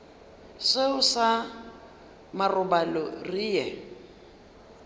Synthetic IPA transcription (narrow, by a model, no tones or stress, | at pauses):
seʊsa | marʊbalɔriːjɛ